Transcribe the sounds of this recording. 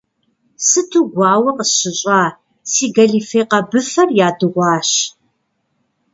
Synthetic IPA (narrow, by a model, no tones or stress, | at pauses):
sɨtʰuːɡʷɑːwɐqəsɕɪɕʼaː | siːɡɐɮiːfeːqɐbɨfɐrjaːdɨʁʷɑːɕ